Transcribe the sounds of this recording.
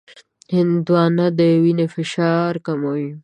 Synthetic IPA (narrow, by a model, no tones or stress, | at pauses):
hɪnd̪wɑːnad̪əwinefɪʃɑːɾkamawi